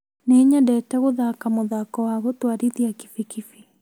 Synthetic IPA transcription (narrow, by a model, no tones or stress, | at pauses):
neɲadɛːtɛɣoðakamoðakɔwaɣotwaɾiðiaki̥fikifi